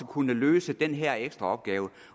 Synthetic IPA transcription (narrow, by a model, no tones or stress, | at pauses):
əkʰunəløːsəd̥enɦæɐ̰eɡ̥sd̥ʁɑ̈ɒ̽b̥̚ɡ̥ɛːʊə